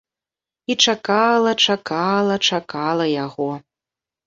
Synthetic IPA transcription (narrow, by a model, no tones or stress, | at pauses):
it͡ʂakalˠɐt͡ʂakalˠɐt͡ʂakalˠɐjaɣɔ